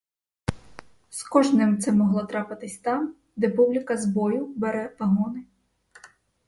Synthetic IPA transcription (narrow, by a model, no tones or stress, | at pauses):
skɔʒnɪmt̪sɛmɔɦlˠɔt̪ɾɑpɪt̪ɪsʲt̪ɑm | d̪ɛpublʲɪkɐzbɔjʊbɛɾɛʋɐɦɔnɪ